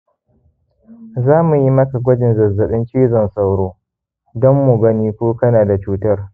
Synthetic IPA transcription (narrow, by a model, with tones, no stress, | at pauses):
zaː˦mu˨ji˦mɐ˦ka˨ɡʷɐ˦d͡ʒɪ˨nzɐ˨zːɐ˨ɓɪ˦nt͡ʃiː˦zɔ˨nsa˦wɽoː˦ | dɔ˦mːʊ˨ɡɐ˦niː˦kʷoː˦kɐ˦naː˨da˨t͡ʃuː˦tɐ˦r